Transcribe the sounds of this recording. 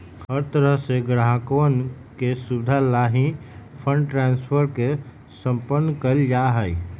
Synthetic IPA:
hɦəɾt̪əɾəɦseɡɽaɦãkwən | kesud̪ʱalaːɦĩ | pʰə̃ɳɖʈɾãːnspʰəɾke | sə̃mpənːkəld͡ʒaːɦəi

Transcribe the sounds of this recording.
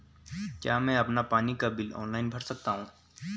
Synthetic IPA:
kjaːmɛ̃ɐpnapaːnikabɪlɔ̰ːnlaːɪnbʱɐɾsɐk̚t̪aɦũː

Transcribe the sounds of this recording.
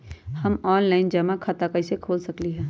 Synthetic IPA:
hɐmɔːnlaːɪnd͡ʒɐmakʰat̪akəɪsekʰoːlsɐkliɦɛ̃ː

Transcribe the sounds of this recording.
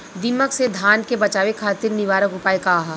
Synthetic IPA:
d̪ɪməksed̪ʱaːnkebɐt͡ʃaːʋekʰaːt̪ɪɾnɪʋaːɾəkʊpaːekaːɦa

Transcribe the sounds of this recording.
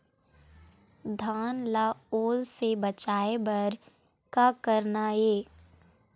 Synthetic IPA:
d̪ʱaːnlaoːlsebət͡ʃaːebəɾ | kakəɾnaeː

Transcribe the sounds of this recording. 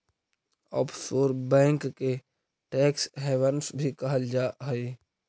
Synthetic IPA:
ɔ̰ːpʰsoːɾbɛ̃ːŋkːe | ʈɛːksɦɛːʋənsbʱikəɦəld͡ʒaːɦəi

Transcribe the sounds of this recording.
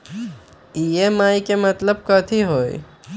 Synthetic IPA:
iːemaːikemɐt̪ləb̚kɔːt̪ʰiɦoːḭ

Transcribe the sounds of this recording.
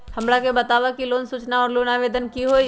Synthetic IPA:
hɐ̃mɽakebɐt̪aːʋakiloːnsuːt͡ʃnaɔːɾloːnaːʋeːd̪ənkiɦoːi

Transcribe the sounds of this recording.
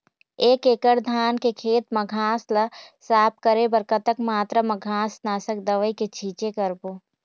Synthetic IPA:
eːkeːkəɾd̪ʱaːnkekʰeːt̪mɐɡʱaːslɐsaːp̚kəɾebɐɾkət̪əkmaːt̪ɾəmɐɡʱaːsnaːsəkd̪ɐʋəiket͡ʃʰiːt͡ʃekəɾboː

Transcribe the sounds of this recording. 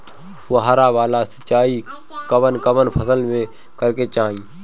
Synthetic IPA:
ɦʊɦaɾaːʋaːlasət͡ʃaːikəʋənkəʋənpʰəsəlmẽ | kəɾket͡ʃaːɦĩː

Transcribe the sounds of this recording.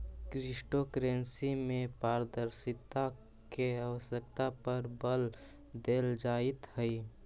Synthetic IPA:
kɾɪsʈokɾeːnsimẽpaːɾəd̪əɾsɪt̪a | keawəsək̚t̪apəɾbəl | d̪eːld͡ʒaːɪt̪hɛi

